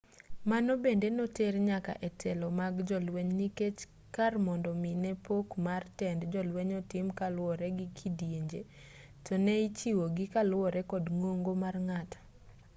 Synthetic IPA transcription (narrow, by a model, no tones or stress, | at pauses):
manobendenoterɲaka̰ʔɛtʰɛlɔmaɡd͡ʒɔlweɲniket͡ʃ | karmɔndɔminɛpʰokmartɛndd͡ʒɔlweɲɔtɪmkalwɔɾɛɡɪkʰidjeɲd͡ʒe | tɔnɛit͡ʃiwoɡɪkalwɔɾɛkɔdŋoŋɡomarŋatḁ